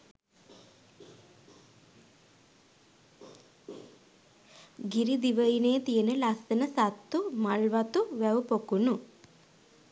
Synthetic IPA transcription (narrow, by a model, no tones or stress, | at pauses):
ɡiɾid̪iʋəinejːt̪ijənəlasənəsat̪ːumaɭʋat̪uʋæʋpokunu